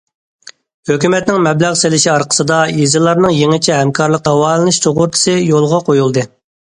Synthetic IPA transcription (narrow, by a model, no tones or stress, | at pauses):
høkʲymɛt̪nɪŋmɛblæʁselɪʃiɑɾqʰə̥sɨd̪ɑjezɨlˠːɑɾnɨŋjeŋɪt͡ʃʰɛɦɛmkʰɑɾlˠəq̚d̪ɑwɑːlˠɨnɨʃt͡ʃ̪ʰoʁʊɾt̪ʰɨ̥sɨjolˠʁɑqʰojulˠd̪ɨ